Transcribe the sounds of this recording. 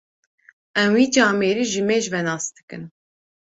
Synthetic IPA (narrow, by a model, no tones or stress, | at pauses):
ɛmwiːd͡ʒɑːmeːɾiːʒɨmeːʒvɛnɑːsd̪ɨkɨn